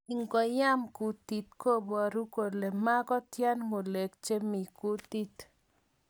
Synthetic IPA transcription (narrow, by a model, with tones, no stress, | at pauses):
i˨ŋɡɔ˨ja˦mku˨t̪i˨t̪ko˦bwa˨ɾu˦ko˨le˨ma˦ɡɔ˦t̪ja˦nmo˨le˨kt͡ʃe˦mi˨ku˦t̪i˦t̪